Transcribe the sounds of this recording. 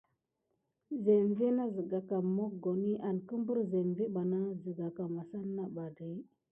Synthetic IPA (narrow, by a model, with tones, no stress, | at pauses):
ze˨mvi˦na˦zə˨ɡa˨ka˨mo˦k̚ɡo˨ni˦ʔa˨n˨kə˦m˦bu˦ɾze˨mvi˦ɓa˨na˦zə˨ɡa˨ka˨ma˨sa˦nːa˦ɓa˨di˨˦